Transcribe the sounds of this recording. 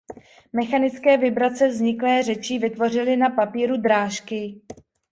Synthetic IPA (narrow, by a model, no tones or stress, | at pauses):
mɛxanɪt͡skɛːvɪbɾat͡sɛvzɲɪklɛːr̝ɛt͡ʃɪvɪt̪vor̝ɪlɪnapapiːɾud̪ɾaːʃkɪ